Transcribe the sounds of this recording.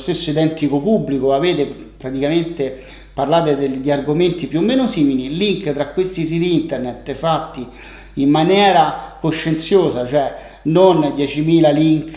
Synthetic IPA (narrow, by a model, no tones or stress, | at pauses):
st̪esːoid̪ɛnt̪ikopubːlikoaveːt̪e | pɾat̪ikament̪e | parlaːt̪̬ed̪ed̪iarɡoment̪ipjuomːeːnosiːmililiŋkt̪ɾakwest̪is̬it̪iint̪ernet̪ːefat̪ːi | imːanjɛːɾakoʃːent̪sjoːzat͡ʃoɛ | nond̪jɛt͡ʃimiːlaliŋk